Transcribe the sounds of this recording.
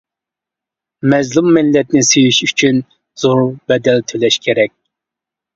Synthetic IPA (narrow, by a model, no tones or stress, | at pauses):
mɛzlumːɪlːɛt̪nɪsejyʃyt͡ʃʰyn | z̥oɾbɛd̪ɛlt̪ʰølɛʃkʲʰeɾɛk̚ʲ